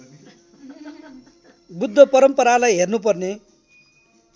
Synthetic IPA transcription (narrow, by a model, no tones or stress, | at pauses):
bud̪ʱːʌpʌɾʌmpʌɾalajɦernupʌrne